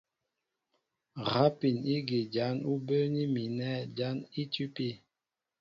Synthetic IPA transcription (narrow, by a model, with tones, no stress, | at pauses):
ɣa˦pi˨ni˦ɡi˨d͡ʒa˨˦nu˦bə˦ni˦mi˨nɛ˦d͡ʒa˦ni˦ti˦pi˦˨